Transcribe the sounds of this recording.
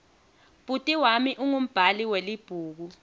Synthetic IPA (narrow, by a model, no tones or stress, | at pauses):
b̥ʱʼutʼiwamiʔuŋum̩b̥ʱaliwelib̥ʱuːk̬u